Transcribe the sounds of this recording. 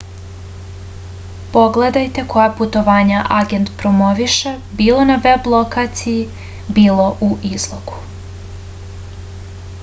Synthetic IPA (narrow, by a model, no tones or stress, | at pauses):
po̞ɡle̞d̪ajt̪e̞ko̞japut̪o̞ʋaːɲaʔaɡe̞nt̪pɾomo̞ʋiʃebiːlˠo̞naʋe̞blˠokat̪siji | biːlˠo̞ʔuʔizlˠoɡ̥u̥